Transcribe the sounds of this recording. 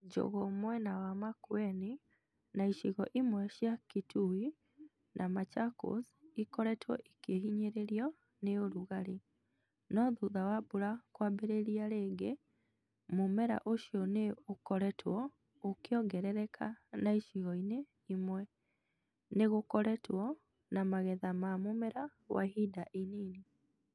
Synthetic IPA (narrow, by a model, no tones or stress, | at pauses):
d͡ʒo̰ɣɔmwɛnawamakwɛni | naiʃiɣɔʔimwɛʃjakitui | nʔamat͡ʃako̰s | ikɔɾɛtʰwɔ̰ʔikeɦiɲeɾeɾiɔ | neoɾuɣaɾi | nɔðuðawabuɾakwabeɾeɾiaɾeːɡe | momɛɾa̰ʔoʃjɔneokɔɾɛtʰwɔ | okjɔɡɛɾɛɾɛkʰanaiʃiɣɔine | imwɛ | neɣokɔɾɛtwɔ | namaɣɛðamamomɛɾawa̰hidaʔinini